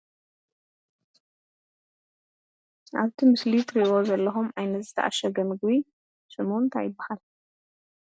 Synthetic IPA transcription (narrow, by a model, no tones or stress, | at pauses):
ʔaβt̪ʰimɨslit̪ʰɾiozɐlːɐxumʔajnɐt̪zɨt̪ʰɐ̰ʔa̰ʃɐɡɐmɨɡβi | sɨmunt̪ʰa̰jɪbːahal